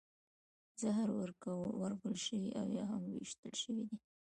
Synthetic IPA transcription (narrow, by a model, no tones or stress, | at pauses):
zaɦaɾwəɾkawaɾɣəlʃəwiʔawjɑɦamwwḭʃt̪əlʃəwid̪i